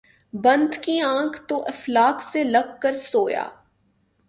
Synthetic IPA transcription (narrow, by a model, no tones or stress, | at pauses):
bɐ̃nd̪ʱkiãːkʰt̪oʔɐflaːkselɐɡ̚kəɾsoːja̰ː